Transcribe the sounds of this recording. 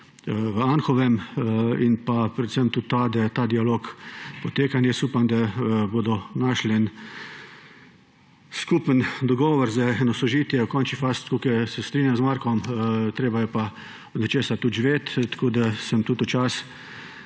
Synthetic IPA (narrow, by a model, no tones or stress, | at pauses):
ʋəanxɔʋɛminpapɾɛt̪səmt̪ut̪ːad̪ɐt̪aːd̪ialoːkpɔt̪eːkanjɛsupamd̪aboːd̪ɔnaʃlɛn | skuːpənd̪ɔɡɔːʋɔɾzaɛnɔsɔʒiːt̪jɛwkɔnt͡ʃnifaːst̪kokɛjsɛst̪ɾiːnʲjamzmaɾkɔmt̪ɾeːbajɛpa | ɔd̪nɛt͡ʃeːsat̪ud̪ʒʋeːt̪t̪ḁkoːd̪asəmt̪uːt̪ɔt͡ʃas